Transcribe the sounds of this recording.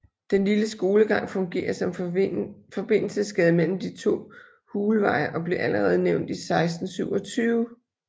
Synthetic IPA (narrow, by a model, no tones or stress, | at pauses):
d̥enliləsɡ̥o̝ːləɡ̥ɑ̈ŋ̰fɔ̽ŋɡ̥e̝̰ːɐsɒ̽m | fɒ̽b̥e̝n̰l̩səsɡ̥ɛːð̞̩ˠmel̰m̩d̥it͡sʰo̝̰ː | huːləʋɑ̈ɪɐʔɒ̽b̥le̝ɐʔæləʁɛːð̞ˠneʊnd̥isɑ̈ɪsd̥n̩syʊ̰ɒ̽t͡sʰyːʊ